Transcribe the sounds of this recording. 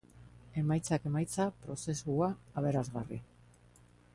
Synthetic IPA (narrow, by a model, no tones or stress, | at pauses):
e̞majt͡sake̞majt͡sapɾo̞se̞suaaβe̞ɾazɣari